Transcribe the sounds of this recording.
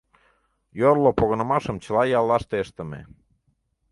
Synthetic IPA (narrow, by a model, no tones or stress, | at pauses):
jorlopoɣə̆nə̆mɑʃəmt͡ɕə̆lɑjɑlˠːɑʃt̪eəʃt̪ə̆mḛ